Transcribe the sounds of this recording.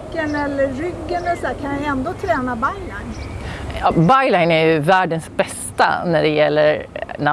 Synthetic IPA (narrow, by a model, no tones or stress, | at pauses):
kːənɛlːəːʏɡːənɛlsæːkʰanjajɛnd̪oːt̪ʰɾɛːnabajlaɪnɑbaɪlaɪnæjɵvæːɖənsbɛst̪a̰næɖɛjɛlːəɾna